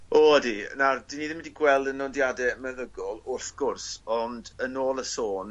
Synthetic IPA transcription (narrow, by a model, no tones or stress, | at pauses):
oːdinad̥iniːðɪmɪdiɡwɛlˠdənːɔndjadɛmɛðəɡɔlˠʊrθɡ̥ʊrsɔndənoːlˠəsoːn